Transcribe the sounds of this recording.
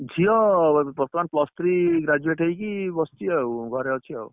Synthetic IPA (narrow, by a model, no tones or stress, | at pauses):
d͡ʒʱijɔbɔɾt̪ɔmanplɔst̪ʰɾiɡɾad͡ʒueʈɦəjkibɔst̪iawɡʱɔɾeɔt͡ʃʰiɔ̰u